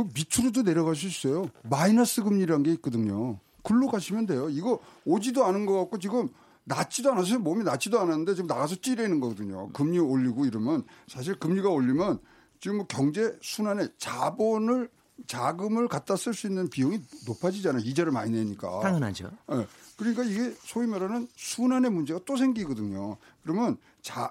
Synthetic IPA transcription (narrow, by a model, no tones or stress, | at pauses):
kɯmitʰuɾudone̞ɾjʌɣas̬uis͈ejomainas͈ɯɡɯmɲiɾanɡe̞it̚k͈ʌdɯɲo | kɯɭːoɡaɕʰimjʌndwe̞joiɡʌod͡ʑidoanɯnɡʌk͈ak̚k͈ot͡ɕiɡɯm | nat͡ɕʰidoanas̬ʰʌsʌmʌmnat͡ɕʰidoananɯnde̞t͡ɕiɡɯmnaɡas̬ʰʌt͡ɕ͈iɾenɯnɡʌɡʌdɯɲo̰kɯmɲioʎːiɡoiɾɯmjʌnsʰaɕ̬ʰiɭkɯmɲiɡaoʎːimjʌn | t͡ɕiɡɯmwʌkjʌŋd͡ʑe̞sʰunane̞t͡ɕabonɯɭ | t͡ɕaɡɯmɯɭkat̚t͈as͈ɯɭs͈uinːɯnpijɯŋinopʰad͡ʑid͡ʑanajoid͡ʑeɾɯɭmaɲineɲik͈a̰aŋɯnad͡ʑo̰jekɯɾʌɲik͈aiɡe̞sʰoimʌɾanɯnsʰunane̞mund͡ʑe̞ɡat͈osʰe̞ŋɡiɡʌdɯɲokɯɾʌmjʌn | t͡ɕa